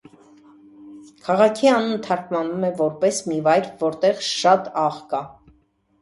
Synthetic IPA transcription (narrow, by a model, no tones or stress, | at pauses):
kʰɑʁɑkʰiɑnənt̪ʰɑɾkmɑnumɛvɔɾpɛsmivɑjɾvɔɾt̪ɛʁʃɑt̪ɑʁkɑ